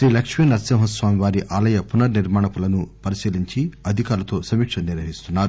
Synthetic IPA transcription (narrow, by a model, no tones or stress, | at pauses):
ʃɾiːlɐkʂmijɐnɐɾsɐmɦɐsʋaːmiʋaːɾiʔaːlɐjɐpunɐɾniɾmaːɳɐpulɐnupɐɾisiːliɲt͡ʃiɐd̪ʱikaːɾlɐt̪o̞ːsɐmiːkʂɐniɾʋɐɦist̪unːaːɾu